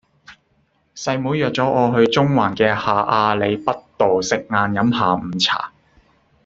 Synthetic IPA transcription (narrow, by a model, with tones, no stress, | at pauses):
sɐ˧jmuː˨˥jœː˨k̚t͡sɔː˨˥ʔɔː˨˧ɦɵ˧ɥt͡sʊ˥ŋwaː˨˩nkɛː˧haː˨ʔaː˧le˨˧jpɐ˥t̚t̪o˨wsɪ˨k̚ŋaː˧njɐ˨˥mhaː˨m̩˨˩t͡sʰa̰ː˨˩